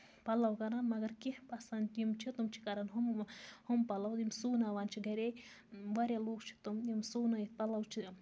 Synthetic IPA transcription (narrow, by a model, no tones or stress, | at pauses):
pɐlɐwkɐɾanmɐɡɐɾkihpɐsɐnimt͡ʃʰit̪umt͡ʃʰi̥kɐɾɐnɦumhumpɐlɐw̪imsuːnaːʋaːnt͡ʃʰiɡɐɾe | ʋɐɾjaloːɡt͡ʃʰi̥t̪umimsuːnajipɐlɐwt͡ʃʰi